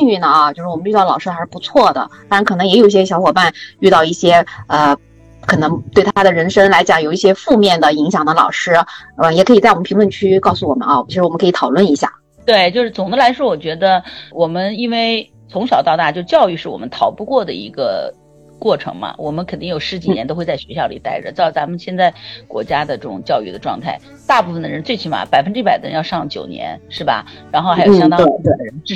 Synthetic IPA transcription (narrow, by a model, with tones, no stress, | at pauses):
y˥˩nə˩˥˧t͡ɕjo˥˧ʊʂɻ̩˥˩wm˦n˥y˥˧ɑ˥˩lɑ˨˩ʊʂɻ̩˥xa˧˥ʂɻ̩˥˩pu˧˥t͡sʰwɔ˥˩d̪ə̰˩t̪a˥ɻnkʰɤ˨˩nɤ˧˥ŋjɛ˧˥jo˨˩ʊi˥˩ɕjɛ˥ɕjɑ˧˥xwɔ˨˩pa˥˧ny˥˧t̪ɑ˥˧ʊi˥˩ɕjɛ˥ə˧ | kʰɤ˨˩nɤ˧˥ŋt̪we˥˩ɪt̪ʰa˥d̪ə˨ɻə˧˥nʂɤ˥ŋla˧˥ɪt͡ɕjɑ˨˩ŋjo˨˩ʊi˥˩ɕ̬jɛ˥fu˥˧mjɛ˥˩nd̪ə˩i˧˥ŋɕ̬jɑ˨˩ŋd̪ə˦lɑ̰˨˩ʊʂɻ̩˥ə˧˩jɛ˨˩kʰɤ˧˥i˨˩t͡sa˥˩wɔ˨˩mʰ˥i˧˥lwə˥˧nt͡ɕʰy˥kɑ˥˩ʊsu˧˩wɔ˨˩mə̰˦nɑ˥˩t͡ɕʂɻ̩˥wɔ˨˩˧kʰt̪ʰɑ˨˩ʊlwə˥˩ni˧˥ɕja̰˥˩ | t̪we˥˩ɪt͡ɕjo˥˧ʊʂɻ̩˥˩t͡sʊ˨˩ŋd̪ə˦la˧˥ɪʂwɔ˥wɔ˨˩t͡ɕɥɛ˧˥d̪ə˧wɔ˨˩mə˦ni˥nwe˥˩ɪ | t͡sʰʊ˧˥ŋɕɑ˨˩ʊt̪ɑ˥˧ʊt̪a˥˩t͡ɕjo˥˧ʊ˧t͡ɕjɑ˥˧ʊy˥˧ʂɻ̩˥˩wɔ̰˨˩mə˦nt̪ʰɑ˧˥ʊpu˥˧kwɔ˥˩d̪ə̰˩ḭ˧˥ɡə̰˧ | kwɔ˥˩ʈ͡ʂʰɤ̰˧˥ŋmɐ̰˧wʔɔ˨˩mə˦nkʰə˨˩nt̪i˥˩ŋjo˨˩ʊʂɻ̩˧˥t͡ɕi˨˩˥njɛ˧˥nt̪o˥ʊxe˥˧ɪt͡sa˥˩ɕɥɛ˧˥ɕjɑ˥˩ʊli˨˩t̪a˥˩ɪʈ͡ʂə̰˩ʈ͡ʂ̩˥˩t͡sa˧˥mə˧nɕjɛ˥˧nt͡sa˥˩ɪkwɔ̰˧˥t͡ɕja˥d̪ə˨ʈ͡ʂɤ˥˩ʈ͡ʂʊ˨˩ŋt͡ɕjɑ˥˧ʊy˥˩d̪ə˩ʈ͡ʂwɑ̰˥˧ŋt̪ʰa˥˩ɪ | t̪a˥˧pu˥˩ə˩nd̪ə˩ɻə˧˥nt͡swe˥˩ɪt͡ɕʰi˧˥nma̰˧˩pa˨˩ɪfə˥nʈ͡ʂɻ̩˧˥pa˨˩ɪd̪ə̰˩ɻə̰˧˥njɑ˥˧ʂɑ˥˧ŋt͡ɕjo˨˩ʊnjɛ̰˧˥nʂɻ̩˥˩bɐ̰˩ɻa˧˥nxo˥˩ʊxa˥o˨˩jɑ˥t̪ɑ˥e˥˩˥e˥˩ə˧ɻə˧˥˩